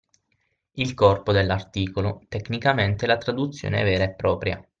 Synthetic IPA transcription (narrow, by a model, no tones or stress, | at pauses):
ilkɔrpod̪elːart̪iːkolot̪ekːnikament̪elat̪ɾad̪ut̪sːjo̰ːneɛ̰vɛːɾaepːɾɔːpɾja̰